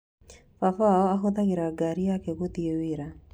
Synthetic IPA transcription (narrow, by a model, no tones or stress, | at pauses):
fafaɔaɦoðaɣeɾaɡaɾijakɛɣot̪iewɪɾa